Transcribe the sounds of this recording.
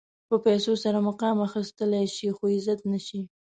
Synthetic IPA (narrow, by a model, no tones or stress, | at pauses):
pəpajsosaɾamʊqɑmaxist̪əlajʃixoɪzat̪naʃi